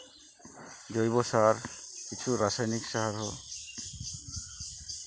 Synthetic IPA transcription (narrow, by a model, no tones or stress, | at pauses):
d͡ʒojβɔsaɹkit͡ʃʰuɾasajniksaɦaɹɦɔ